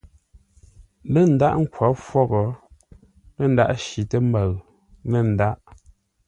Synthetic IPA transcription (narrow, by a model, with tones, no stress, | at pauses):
lə˦˨n̩˨da˦ʔŋ̩˦kwɔ˨˦fwɔ˦ɣɔ˨ | lə˦˨n̩˦da̰˦ʔʃi˨tə˦m˦ba˨ɣ | nə˦˨n̩˨da˦ʔ